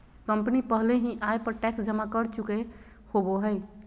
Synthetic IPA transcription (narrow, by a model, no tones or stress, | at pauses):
kəmpənipəɦleɦĩʔajpəɾʈɛksd͡ʒəmakəɾt͡ʃuke | hoboɦəj